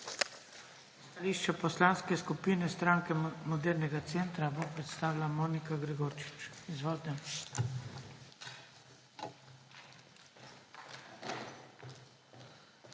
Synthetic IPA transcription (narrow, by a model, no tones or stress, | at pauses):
st̪aliːʃt͡ʃɛpɔslanskɛskupiːnɛst̪ɾaŋkɛmɔd̪ɛːɾnɛɡat̪sent̪ɾabopɾɛt̪st̪aːʋilamoːnikaɡɾɛɡoɾt͡ʃi̥t͡ʃizʋɔːld̪nɛ